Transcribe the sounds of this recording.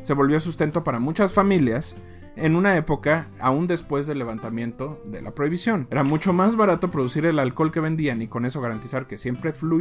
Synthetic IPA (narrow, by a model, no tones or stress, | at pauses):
se̞βo̞lβjo̞s̬ust̪e̞nt̪o̞paɾamut͡ʃasfamiljas | e̞nũnae̞po̞kaːund̪e̞spwe̞zðe̞lːe̞β̞ant̪amjẽ̞nt̪o̞ðe̞̰la̰pɾo̞iβ̞isjo̞ne̞ɾamut͡ʃo̞mazβaɾat̪o̞pɾo̞ðusiɾe̞lalko̞lke̞β̞e̞nd̪ianiko̞ne̞so̞ɣaɾant̪isaɾke̞sje̞mpɾe̞flu